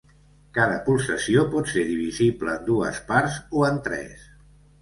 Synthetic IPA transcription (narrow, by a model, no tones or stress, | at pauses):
kaðəpulˠsəsiopɔt̪seɾðiβ̞izibləːnd̪uə̰spaɾzoənt̪ɾɛ̰s